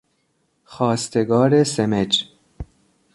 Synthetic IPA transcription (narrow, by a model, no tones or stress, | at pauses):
xɒːst̪eɡɒːɾesemed͡ʒ